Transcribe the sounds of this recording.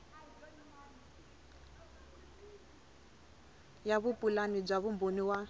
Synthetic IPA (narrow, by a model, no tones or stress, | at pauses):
jaβupʼulanib͡ʐaβumboniwa